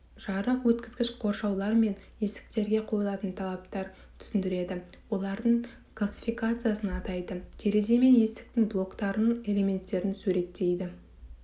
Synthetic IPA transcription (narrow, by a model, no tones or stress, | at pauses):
ʒ̥ɑɾəqwɵt̪kʲɪzɡʲɪʃqʰo̞ɾʃɑwlˠɑɾme̞nje̞sɪ̥k̚t̪e̞ɾɡʲe̞qʰo̞jlˠɑt̪ənt̪ʰɑlˠɑpt̪ɑɾ | t̪ʰʏ̥sɪnd̪ɪɾe̞d̪ɪwo̞lˠɑɾd̪əɴ | klˠasʲi̥fijkat̪sɨjasənɑt̪ɑjd̪ət̪ʰe̞ɾed̪e̞me̞nje̞st̪ɪ̥k̚t̪ɪŋblˠo̞kt̪ɑɾənəɴe̞le̞me̞nt̪ːe̞ɾɪnsuɾe̞t̪ːe̞jd̪ɪ